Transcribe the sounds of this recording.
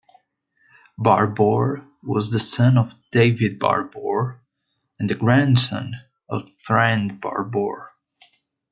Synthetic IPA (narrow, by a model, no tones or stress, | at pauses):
bɑɹbɔɹ | wɔzðəsʌ̃nɔvdeɪvɪd̚bɑ̰ɹbɔɹ | ɛ̃nðɨɡɹæ̃nsʌ̰̃n | ɔvfɹæ̃ndbɑ̰ɹbɔɹ